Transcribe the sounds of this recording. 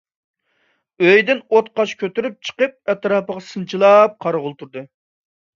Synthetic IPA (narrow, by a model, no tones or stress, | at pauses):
øjd̪ɪnot̪̚qɑt͡ʃkʲʰøt̪yɾyp̚t͡ʃʰə̥qəp̚ɛt̪ɾɑːpəʁɑsɨnt͡ʃʰilˠɑp̚qʰɑɾʁʊlˠt̪ʰuɾd̪ɨ